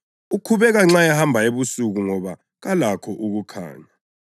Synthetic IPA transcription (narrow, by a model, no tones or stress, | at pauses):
ukʰuβɛɣaŋ͡ǁajahambʱaeβusuɣuŋɔβa | ɣalakʰɔʔuɣukʰa̰ːɲa